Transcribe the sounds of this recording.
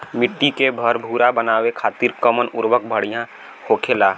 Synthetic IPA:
mɪʈːikebʱəɾbʱuːɾabənaːwekʰaːt̪iːɾkəmənʊɾwək̚bʱəɽijã | hoːkʰeːla

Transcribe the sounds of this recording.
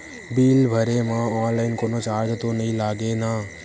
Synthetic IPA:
biːlbʱəɾemãɔːnlaɪnkoːnot͡ʃaːɾd͡ʒ̪t̪onəɦĩlaːɡena

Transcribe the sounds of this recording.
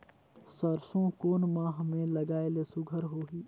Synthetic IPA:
səɾsõkoːnmãːɦmẽlɐɡaːelesʊɡʱəɾɦoːɦiː

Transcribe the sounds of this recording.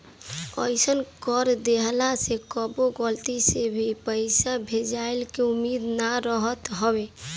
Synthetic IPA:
ə̰ɪsənkɔɾd̪eɦlasekɔboɡəlt̪isebʱipəɪsabʱed͡ʒaɪlkeumːid̪naɾəɦət̪ɦɔbe

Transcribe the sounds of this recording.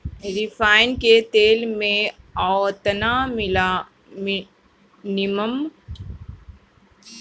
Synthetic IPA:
ɾɪfʰaːɪnket̪eːlmẽ | ɔt̪namɪla | m | nɪməm

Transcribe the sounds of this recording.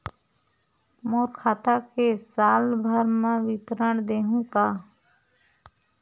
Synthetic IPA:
moːɾkʰaːt̪akesaːlbʱəɾmə̃ʋɪt̪ɾəɳd̪eːɦũkaː

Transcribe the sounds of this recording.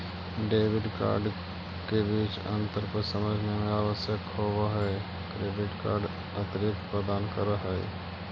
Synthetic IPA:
ɖeːʋɪɖka̰ːɾɖ | kebiːt͡ʃə̰̃nt̪əɾpəɾsəməd͡ʒʱnemẽaːʋəsjəkhoːwaɦɛ | kɾeːɖɪʈka̰ːɾɖ | ət̪ɾɪk̚t̪pɾəd̪aːnkəɾəɦɛ̰

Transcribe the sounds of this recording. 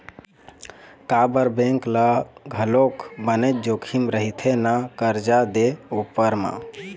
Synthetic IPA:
kabəɾbẽŋklaɡʱəlokʰbənet̪̚d͡ʒokʰimɾəɦit̪ʰenakəɾd͡ʒad̪eupːəɾmã̰

